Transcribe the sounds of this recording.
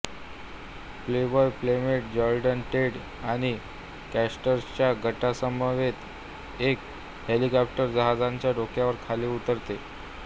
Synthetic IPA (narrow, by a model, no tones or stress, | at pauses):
plebɔjplemeʈ̚d͡ʑɔɾɖənʈeɽ | aɽ̃i | kæsʈəɾt͡ɕjaɡʱəʈasəmbəʋet̪ | ek | helikɔp̚ʈəɾd͡ʑəɦad͡zãɲt͡ɕjaɖokjaʋəɾkʰaleut̪əɾt̪e